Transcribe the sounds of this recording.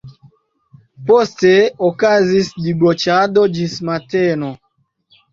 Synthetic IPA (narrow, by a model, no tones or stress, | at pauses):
pɔsteɔkazisdibɔt͡ʃadɔd͡ʒismatɛnɔ